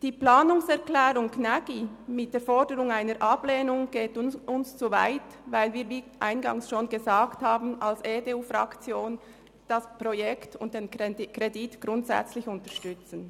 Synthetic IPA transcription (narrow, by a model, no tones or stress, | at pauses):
d̥iːplaːnʊŋsɛɐʁklɛːʁʊŋknaɡimɪt̚d̥eːfɔʁdəʁʊŋaɪnəɾʔɑpleːnʊŋɡ̥eːtʔʊnst͡sova̰ɪt | vaɪlviːviːʔa̰ɪnɡɑ̰ŋsʃoːnɡəzaːkthaːbn̩alseːdeuːfʁɑ̰kt͡sjoːn | d̥aspʁojɛktʊnt̚d̥eːnkʁeditɡ̥ʁʊntsɛ̰t͡slɪçʊntəʃtʏt͡sn̩